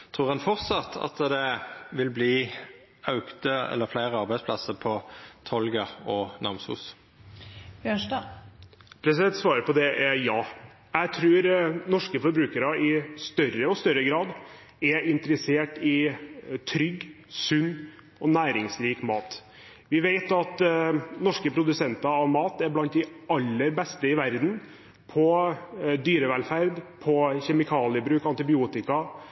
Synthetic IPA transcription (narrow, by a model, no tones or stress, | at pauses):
t̪ʰʁuːʁɑnfɔʁt̪sɑt̪ʰːɑ̰t̪d̪ɛʋɪlbliː | ɑʉkt̪əɛ̰lːəɾflæɪʁəɑʁbæɪspʰlɑsəpʰɔt̪ʰɔlɡəɔnɑʁmshṵːs | bjøːʂdɑ | pʰɾɛsɛt̪sʋɑːɾəpɔd̪ɛʔɛɾjɑː | jæɪt̪ʰɾʉːɾnɔʂkəfɔɾbɾʉːkəɾɑɪst̪œɾəɔst̪œɾːəɡɾɑːd̪ | ɛɪnt̪əɾəseːʈɪt̪ʰɾʏɡː | sʉnː | ɔnæːɾɪŋsɾiːkmɑːt̪ | ʋɪʋeɪt̪ɑt̪nɔʂkəpʰɾʊd̪ʉsɛnt̪ɑɑʋmɑːt̪æɾblɑnt̪̚d̪ɪɑlːəɾbɛst̪əɪʋæɾd̪n̩ | pʰɔ | d̪yːɾəʋɛlfæɾd̪pʰɔçɛmɪkʰɑːlɪəbɾʉːkɑnt̪ɪbɪuːt̪ɪkɑ